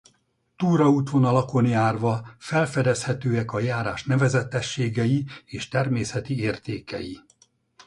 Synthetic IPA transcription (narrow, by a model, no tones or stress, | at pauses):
t̪uːɾɒuːt̪ʋo̞nɒlɒko̞njaːrʋɒfɛlfɛd̪ɛshɛt̪øːɛkɒjaːɾaːʃnɛvɛzɛt̪ːɛʃːeːɡɛjieːʃt̪ɛrmeːsɛt̪ieːrt̪eːkɛ̰jḭ